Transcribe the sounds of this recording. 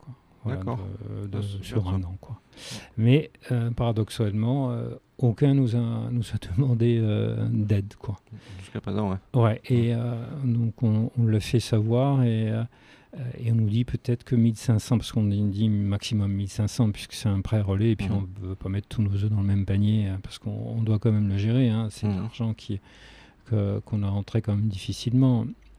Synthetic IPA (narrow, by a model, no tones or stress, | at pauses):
kwa | vwalad̰d̪əsyʁɛ̃nɑ̃kwa | mɛøpaʁad̪ɔksalmɑ̃ø̰ | okʲɛ̃nuzanuzad̪əmɑ̃d̪eø̰d̪ɛd̪kʰwaʒskapχez̃ɛwɛʔeød̪ɔ̃kɔ̃ɔ̃ləlafɛsavwaʁeø | ḛɔ̃nud̪ipøt̪ɛt̪χəkəmilsɛ̃sɑ̃paʁsə̥kɔ̃d̪imaksimɔmːilsɛ̃sɑ̃pɥi̥skə̥sɛt̪ɛ̃pχɛʁɔleːpɥiɔ̃vøpamɛt̪χt̪ʰːunozod̪ɑ̃ləmɛmpanjeəpaʁsə̥kɔ̰̃ːd̪wakɑ̃mɛmləʒeʁeɛ̃sɛllaʁʒɑ̃kʲʰi | kʰəkɔ̃naʁɑ̃t̪χekɑ̃mɛmd̪ifisilmɑ̃